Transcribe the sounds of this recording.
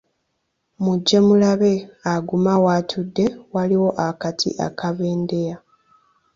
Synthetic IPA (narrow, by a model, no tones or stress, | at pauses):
muɟːe̞mulaβe̞aɡumawaːtʰudːe̞waliwo̞ʔakatʰḭʔa̰kʰaβe̞ːnde̞ja